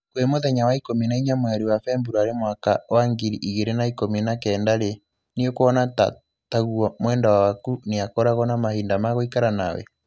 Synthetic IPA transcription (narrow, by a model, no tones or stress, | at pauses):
kwemoðɛɲawaikominaiɲamwaɾiwafɛmbuɾɔaɾemwaka̰waŋɡiɾiʔiɣeɾenaikominakɛːndaɾe | niokoɔnata̰ | taɣuɔmwɛːndawawakuneakɔɾaɣɔnamahiːndamaɣoikaɾana̰wɛ̰